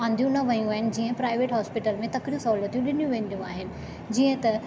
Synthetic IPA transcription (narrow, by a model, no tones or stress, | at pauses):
ãːn̆d̪ijũnɐʋɐjũaːɦɪnɪ̆d͡ʑiːə̃pɾaːɪʋeːʈɦɔːspɪʈəlmẽt̪ɐkɾijũsɐɦulət̪ijũɗɪnijũʋẽːn̆d̪ijũaːɦɪnɪ̆ | d͡ʑiːə̃t̪ɐ